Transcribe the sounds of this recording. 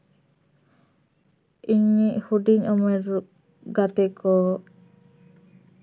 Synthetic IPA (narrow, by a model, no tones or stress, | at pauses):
iɲiʔhuɖiɲɔmɛɾuʔ | ɡat̪ɛkɔ